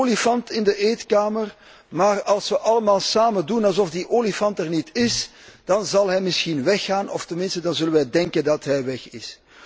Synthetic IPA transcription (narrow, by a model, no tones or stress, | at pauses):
olifɑntɪndəʔeːtkaːmər | maːrɑlˠsʋəʔɑləmaːlˠsaːmədunɑlˠzɔfdiʔoːlifɑntərnitɪs | d̥ɑnzɑlˠɦɛjmɪsxinʋɛxːaːnʔɔftənmɪnstədɑnzɵlənʋɛdɛŋkəndɑtɦɛjʋɛxɪs